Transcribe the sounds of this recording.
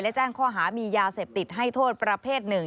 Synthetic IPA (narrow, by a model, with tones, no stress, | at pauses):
lɛ˦˥t͡ɕaː˥˩nkʰɔː˥˩ɦaː˩˦miː˧jaː˧seː˨˩p̚t̪i˨˩t̪̚ɦa˥˩jt̪ʰoː˥˩t̪̚pɾa˧pʰeː˥˩t̪̚nɯ˨˩ŋ